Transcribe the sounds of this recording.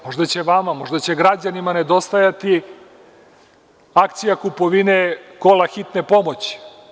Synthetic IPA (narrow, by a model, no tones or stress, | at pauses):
mo̞ʒd̪at͡ɕeʋamamo̞ʒd̪at͡ɕeɡɾad͡ʑanimane̞d̪o̞st̪ajat̪i | ak̚t̪sijakupoʋineko̞laxit̪nepo̞mo̞t͡ɕi̥